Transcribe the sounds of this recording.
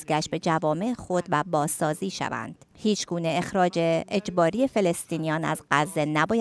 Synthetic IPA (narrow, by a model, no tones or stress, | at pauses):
zɡæʃt̪̚be̞d͡ʒævɒːme̞ʔexo̞d̪̥væbɒːzɒːziːʃæ̰væ̰nd̪̥hiːt͡ʃʰɡuːne̞exɾɒːd͡ʒeed͡ʒbɒːɾie̞fe̞le̞st̪iːnijɒːnæ̰zɢæzːe̞næbɒːj